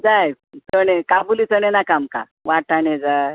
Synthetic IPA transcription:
d͡zaj | t͡səɽ̃ekabulit͡səɽ̃enakamka̰ | ʋaʈʰaɳed͡za

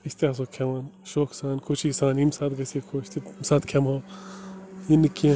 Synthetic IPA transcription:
isʲt̪iaːs̬oːkʰemaːnʃoːksaːnkʰot͡ʃʰisaːnimsaːt̪ɡɐseːkʰoʃt̪imsaːt̪kʰemo | jinɨkiẽ

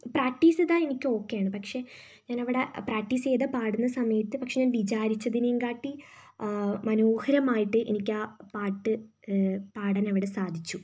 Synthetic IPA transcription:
praːk̚ʈːiːsɐðaːenikʲːɨo̞ːkːejaːɳɨpɐkʂe̞ | ɲaːnɐʋiɽe̞praːk̚ʈːiːse̞ːðɐpaːɽunːɐsɐmɐjɐt̪ːɨpɐkʂe̞ɲaːnʋit͡ɕaːɾit͡ɕːɐðinejumkaːʈːi | mɐnoːhɐɾɐmaːjiʈːɨʔenikʲːaːpaːʈːɨ | paːɽɐnɐʋiɽe̞saːd̪ʱit͡ɕːu

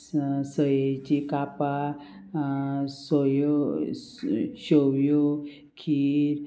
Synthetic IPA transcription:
səjet͡ɕikapa | sɔj | ɕowjo | kʰiːɾ

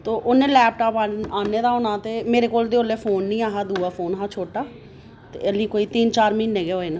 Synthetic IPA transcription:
t̪oːʔʊnẽːlɛːp̚ʈaːpaːaːneːd̪aːɦoːnaːt̪eːmeːɾeːkoːld̪eːoːleːfʰoːnːĩːaːɦaːd̪uːaːpʰoːnɦãːt͡ʃʰoːʈaː | t̪ḛːəliːkoːiːt̪iːnt͡ʃaːɾmiːnːẽːɡeɦoːeːnã

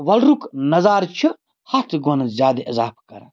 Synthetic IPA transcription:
ʋɐlɾuknɐzaːɾt͡ʃʰi | hɐt̪ʰɡonɐzʲjaːd̪eʔɐzaːpkɐ̰ɾɐ̰

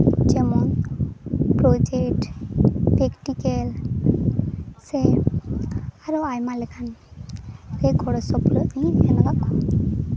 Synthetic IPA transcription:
d͡ʒɛmɔn | pɾɔd͡ʒekʈ | pekʈikel | se | aɾɔajmalɛkʰan | ɾeɡʰʱɔɽɔsɔpɾɔiɛnabakɔ

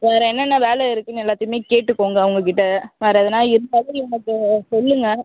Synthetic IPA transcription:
ʋeːɾɐ̃ɛnːɐnːɐʋeːlɛɪɾɯkːɯnɛlːaːt̪ːɯjɯmeːkeːʈːɯkːoːŋɡɐːʋɐŋɡɐkɪʈːɐʋeːɾɐðɐnaːɪɾɯnd̪aːðɐɐŋɐkːɯsɔlːɯŋɡɐ

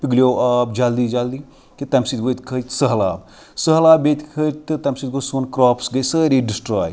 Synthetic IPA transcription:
piɡlʲjoːaːp̚d͡ʒaːld̪iːd͡ʒaːld̪iː | kit̪ɐmsit̪ʋot̪ʰkʰəsəɦlaːb | səɦlaːbet̪ʰkʰət̪ɨt̪ɐmsit̪̚ɡosuɐnkɾaːpsɡɐjsəːɾiːɖisʈɾaːj

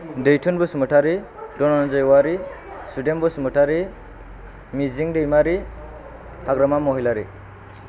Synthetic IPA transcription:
dejʈʰunbusmɯʈʰaɾi | ɖɔnɔnd͡ʒɔjwaɾi | suɖenbusmɯʈʰaɾi | miziŋɖejmaɾi | haɡɾamamɔɦilaɾḭ

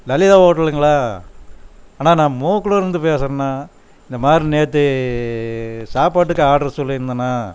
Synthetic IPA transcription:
lɐlɪðaːɦoːʈːɐlɯŋɡɐɭaː | aːnaːnãːmoːkːɯɽõɪɾɯnd̪ɯpeːsɐɾɐnːaː | ɪnd̪ɐmaːd̪ɾineːɐt̪̬ːɯ | saːpaːʈːɯkːɐaːʈɐɾɐsɔlːɐɪɾɯnd̪ɐnːaː

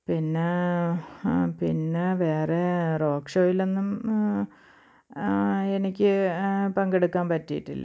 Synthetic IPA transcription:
pinːe̞ | pinːe̞ʋe̞ːrero̞ːkʂoːjilenːum | enikʲːɨpɐŋɡeɽukːaːnpɐtːijḭʈːḭlːɐ̰

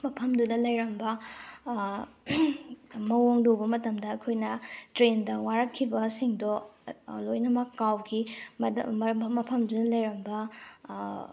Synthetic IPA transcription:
mɐpʰɐmdunɐlɐjɾɐmbɐ | mɐwoŋdobɐmɐtɐmdɐːkʰojnɐtɾendɐwaɾɐkʰːibɐsiŋdo | lojnɐmɐkːawɡi | mɐpʰɐmdunɐlɐjɾɐmbɐ

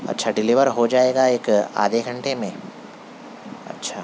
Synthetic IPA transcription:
ɐ̰tːʃʰaɖɪliːʋəɾɦod͡ʒaːeːɡaeːka̰ːd̪ʱeɡʱɐ̃ɳʈemẽ | ɐ̰tːʃʰaː

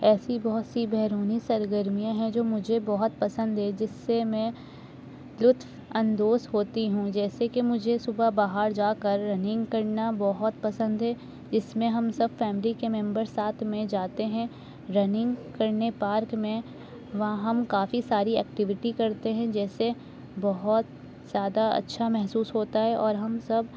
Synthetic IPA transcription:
ɛːsibɔɦʊt̪sibɛɦɾuːnisɐɾɡəɾmijãɦɛ̃d͡ʒoːmʊd͡ʒʱebɔɦʊt̪̚pɐsə̃nd̪ɦɛd͡ʒɪsːemɛ̃ | lʊt̪w | ɐ̃nd̪oːsɦoːt̪iɦũd͡ʒɛːsekemʊd͡ʒʱesʊbabaːɦaɾd͡ʒaːkəɾːɐnɪ̃ŋɡkɐɾnabɔɦɔt̪pɐsə̃nd̪ɦɛ | d͡ʒɪsmẽɦɐmsɐbfɛːmɪlikemɛ̃mbəɾsaːt̪ʰmẽd͡ʒaːt̪eɦɛ̃ | ɾɐnɪ̃ŋɡkɐɾnepaːɾkmẽ | ʋɐɦãɦɐmkaːfisaːɾiɛːkʈɪʋɪʈikɐɾt̪eɦɛ̃d͡ʒɛːse | bɐɦɔt̪ | z̥jaːd̪aɐ̰tːʃʰamɛɦsuːsɦoːt̪aɦɛʔɔːɾɦɐmsɐb

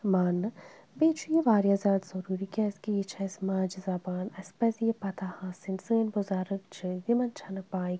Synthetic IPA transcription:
maːnːɨ | beːt͡ʃʰujeʋaːɾjazaːd̪zɐɾuːɾikʲɛːskijit͡ʃʰɐsmaːd͡ʒizɐbaːnɐspɐzijepɐt̪ʰahãsinsəːnbʊzaːɾəkd͡ʒɨd̪imɐnt͡ʃʰɐnɐbaːi

